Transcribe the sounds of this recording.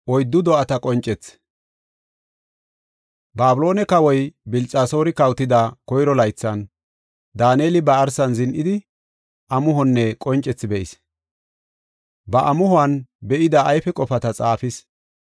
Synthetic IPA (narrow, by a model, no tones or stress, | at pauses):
ʔɔjd̪ːʊd̪ɔʔɐt̪ɐkʼɔnt͡ʃʼɛt͡s | baːbʊlo̞ːnɛkɐwɔjbɪlt͡sʼaːso̞ːɾɪkɐwt̪ːɪd̪ɐkɔjɾɔlɐjt͡sːɐn | d̪aːneːlɪbɐːɾsɐnzɪnʔɪd̪ɪ | ʔɐmʊɦɔnːɛkʼɔnt͡ʃʼːɛt͡sːɪbɛʔɪs | bɐʔɐmʊhʊɐnbɛʔɪd̪ɐːjfɛkʼɔfɐt̪ɐt͡sʼaːfɪs